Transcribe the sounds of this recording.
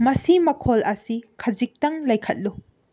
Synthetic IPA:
mɐsimɐkʰolɐsikʰɐzik̚tɐŋlɐjkʰɐt̚lu

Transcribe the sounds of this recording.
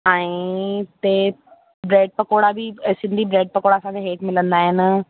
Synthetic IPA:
ɛ̃ːĩt̪e | bɾeːɖ̚pəkoːɽabʱisɪ̃nd̪ʱibɾeːɖ̚pɐkoːɽaːsãkeɦeːʈmɪlə̃nd̪aːɦɪn

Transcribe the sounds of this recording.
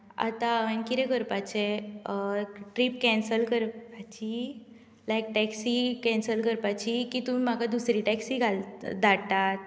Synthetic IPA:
a̰t̪aʋankiɾɛkəɾpat͡ɕe | ʈɾip̚kɛ̃nsəlkəɾpat͡ɕi | lajk̚ʈɛksikɛ̃nsəlkəɾpat͡ɕikit̪um̤im̤akad̪usɾiʈɛksiɡʱald̪ʱaɽt̪at̪̚

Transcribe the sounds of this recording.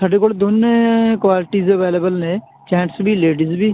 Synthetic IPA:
saːɖeːkoːld̪oneːkwaːlɪʈiːzəʋeːləbəlnẽː | t͡ʃɛ̃ːɳʈsbiːleːɖiːzbiː

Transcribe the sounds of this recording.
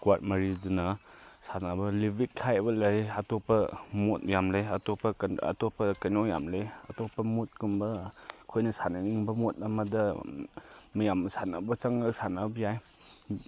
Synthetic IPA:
kwat̚mɐɾidunɐsanabɐlibikkʰajbɐlɐjɐtopːɐmot̚jamleɐtopːɐɐ̰topːɐkɐnoja̰mleɐ̰topːɐmot̚kumbɐkʰojnɐsanɐniŋbɐmot̚ɐmɐdɐ | mijamsanɐbɐt͡ʃɐŋɐsanabɐjaj

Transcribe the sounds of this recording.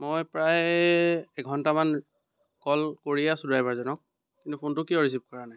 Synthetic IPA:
mojpɹaj | ɛɡʱɔntaman | kɔlkoɹijasudajbaɹzɔnɔk̚ | kintupʰuntʊkiɔɹis̬ip̚kɔɹanaj

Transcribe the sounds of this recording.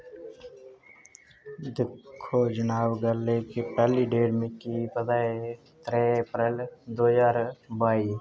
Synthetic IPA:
d̪ɪkʰːod͡ʒənaːwɡəlːekepɛːliɖeːɽmẽkipəd̪aːe | t̪ɾepɾeld̪oːjaːɾbaːi

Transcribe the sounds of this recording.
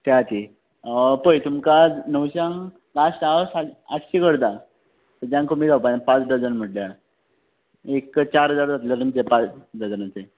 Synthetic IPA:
t̪eat̪i | pəjt̪umkanəwɕãŋ | ɡasʈaəsaat̪ɕikəɽd̪a | t̪əd͡ʑjãŋkomid͡zapanpat͡sd̪əd͡zənm̤əʈlja | ekt͡ɕaɾɦəd͡zaɾd͡zat̪ljaɾumt͡sepat͡sɖ̪əd͡zənat͡se

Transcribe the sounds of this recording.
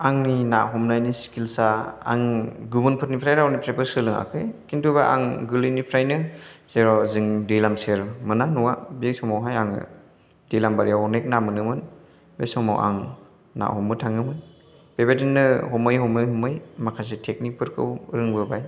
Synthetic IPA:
aŋnina̰ʔɦɔmnajnisi̥kilsaa̰ŋɡubɯnpʰɯt̚nipʰɾajɾawnipɾepɯɾsɯlɯŋa̰kʰɯjkintʰubaʔa̰ŋɡɯlɯnipʰɾajnɯseɾɔziŋdilamseɾmɯnanuwabesɔmawɦajaŋ̰ | d̥ijlambaɾijanek̚namɯnɯmɯn | besɔma̰wʔa̰ŋ | na̰ʔhɔmbɯtʰaŋɯmɯn | b̥ebedinːɯhɔmɯjɦɔmɯjɦɔmɯjmakʰas̬etʰek̚nik̚pɯɾkʰɯwɾɯŋbɯbaj

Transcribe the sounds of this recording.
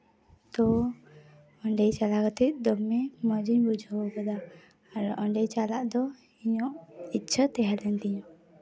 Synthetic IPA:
t̪ɔ | əɳɖɛjt͡ʃalaɡət̪ic̚d̪ɔbmːɛməd͡ʒiɲbud͡ʒʱɔwɡəd̪aː | ɾʔɔɳɖɛjt͡ʃalaʔd̪ɔ | iɲɔʔit̚t͡ʃʰət̪ɛɦalɛnt̪iɲɔ

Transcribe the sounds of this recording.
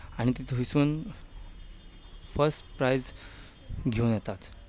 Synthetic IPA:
aɽ̃it̪it̪ʰʋisuːn | fəɾsʈpɾajd͡z | ɡʱeunjɛt̪at̪

